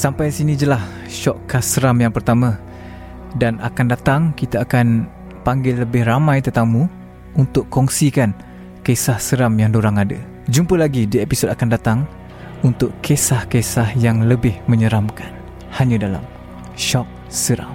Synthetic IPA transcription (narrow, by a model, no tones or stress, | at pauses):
sampajsinid͡ʒəlah | ʃɔʔkːasəɾamjaŋpərt̪amã | dana̰kandat̪aŋkit̪aakan | paŋɡɪlːəbɪhramãjt̪ət̪amu | unt̪ʊʔkːɔŋsikan | kesahsəɾamjaŋdoɾaŋada̰ | d͡ʒumpəlaɡidiepisodakandat̪aŋ | unt̪ʊʔkʰesahkesahjaŋləbɪhmə̃ɲəɾamkan | haɲadala̰m | ʃɔk̚ | səɾa̰m